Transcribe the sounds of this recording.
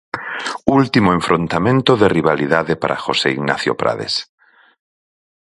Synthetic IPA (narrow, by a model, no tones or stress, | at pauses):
ult̪imoeɱfɾont̪amẽnt̪oðeriβaliðaðepaɾʔa̰xoseiɣna̰θjo̰pɾa̰ðḛs